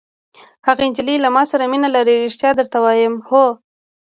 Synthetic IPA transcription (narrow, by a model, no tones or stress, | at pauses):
haɣaɪnd͡ʒɪlilamɑsaɾaminalaɾeɾeʃt̪jɑd̪əɾt̪awɑjəmho